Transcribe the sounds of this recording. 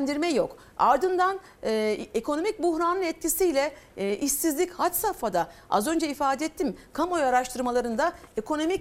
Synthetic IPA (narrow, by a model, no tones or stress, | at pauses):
nd̪iɾmɛjo̞k | a̰ɾd̪ɯnd̪anː | ekʰo̞no̞mic̚buxɾanɯnɛt̪̚cʰisijlʲɛʔisizlʲichat͡ʃsafad̪aa̰zø̞nd͡ʒɛifaːd̪ɛt̪ʰːimkʰamo̞jaɾaʃt̪ʰɯɾmalˠaɾɯnd̪ae̞kʰo̞no̞mi